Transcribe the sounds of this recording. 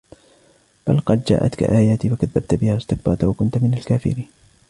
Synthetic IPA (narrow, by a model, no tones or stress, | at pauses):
b̥alqɑd̪̚d͡ʒa̰ːʔa̰t̪ka̰ʔaːjaːt̪iːfakaðːab̚t̪bɪhaːɪst̪ɪk̚bɑɾˤt̪awakʊnt̪mɪnalkaːfɪ̰ɾiːn